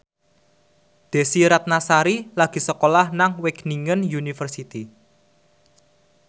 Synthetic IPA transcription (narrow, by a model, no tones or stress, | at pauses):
d̪̥e̤siɾat̪̚nasaɾilaɡ̥i̤səkolahnaŋwɪkniŋənjunifərsit̪i